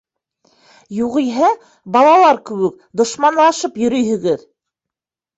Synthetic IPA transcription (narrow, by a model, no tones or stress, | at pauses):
juʁijɦæ | bɑlˠɑlˠɑɾkɘ̆wɘk̚ | d̪ŏʃmɑnlˠɑʃɤpjɵ̆ɾɵjɦɵ̆ɡɘð